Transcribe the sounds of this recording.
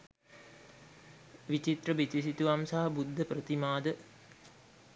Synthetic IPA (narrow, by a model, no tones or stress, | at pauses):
ʋit͡ʃit̪rəbit̪is̬it̪uʋamsaɦɐbud̪ʱːəprət̪imaːd̪ə